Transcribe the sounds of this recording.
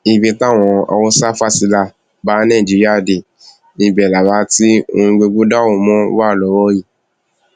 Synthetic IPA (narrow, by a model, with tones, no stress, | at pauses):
i˧bi˧ta˦˨w̃ɔ̃˧a̰˧wo˦sa˦fa˦˨si˨˧la˦˨ | ba˨˦nã˦˨d͡ʒi˨˧ɾi˦a˦˨de˨ | i˨ɡ͡bɛ˨la˨wa˧˦ti˦o˧ĩ˧ɡ͡be˧ɡ͡bu˦da˦˨wo˦˨mɔ̃˦wa˦˨lɔ˨˦wɔ˦ji˦˨